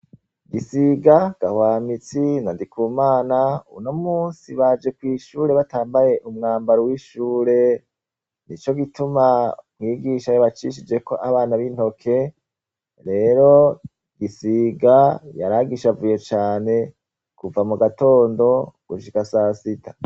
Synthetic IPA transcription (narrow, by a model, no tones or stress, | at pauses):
ɡisiɡaɡ̥ahwaːmit͡sinandikʰuːmaːnauno̞muːnsiβad͡ʒe̞kwiːʃuːɾe̞βataːmbaje̞ʔumŋaːmbaɾowiʃuːɾe̞ | nit͡ʃo̞ɡitumamŋiːɡiʃajoβat͡ʃiːʃid͡ʒe̞ko̞ʔaβaːnaβin̥ho̞kʰe̞ | ɾe̞ːɾo̞ | ɡisiɡajaɾaɡiʃavujo̞t͡ʃaːne̞ | kuvamuɡato̞ːndo̞ɡ̥uʃikasaːsitʰa